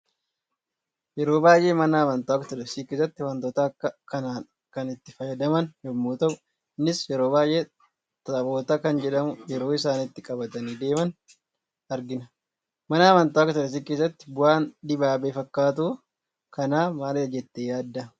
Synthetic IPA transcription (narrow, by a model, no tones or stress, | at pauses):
jɛɾo̞ːbaːjʔe̞ːmɐnaːmɐnt̪oːkːɐt̪ɔdɐsiːkeːsːɐt̪ːɪwɐnt̪ɔːt̪akːɐkɐnaː | kɐnɪt̪ːɪfɐjɐd̪ɐmɐnjɛmːuːt̪ɐʔʊ | nɪsjɛɾo̞ːbaːjʔeː | t̪ɐbo̞ːt̪akɐnd͡ʒɛᶑɐmʊjɛɾo̞ːɪsaːnɪt̪ːɪkʼɐbɐt̪ɐniːd̪e̞ːmɐn | ɐɾɡɪnɐ | mɐnaːmɐnt̪oːɐkːɐt̪ɔdɐs̬iːkeːs̬ːɐt̪ːɪ̥bʊaːnd̪ɪbaːbeːfɐkːaːt̪̬uː | kɐnaːmaːlɪɐd͡ʒɛt̪ːeːjaːd̪ːɐ